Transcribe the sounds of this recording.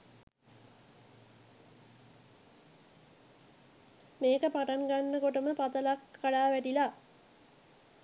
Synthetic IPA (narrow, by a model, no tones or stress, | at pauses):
meːkəpaʈaŋɡanːəkoʈəməpat̪əlakːaɽaːʋæʈila